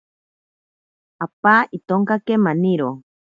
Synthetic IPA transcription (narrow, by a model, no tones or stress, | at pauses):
apaːʔit̪oŋkakemaniɾo